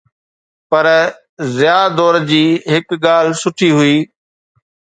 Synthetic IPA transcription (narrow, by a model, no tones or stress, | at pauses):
pəɾ | zɪjaːd̪ɔːɾd͡ʑiːɦɪkɠaːlsʊʈʰiːɦʊiː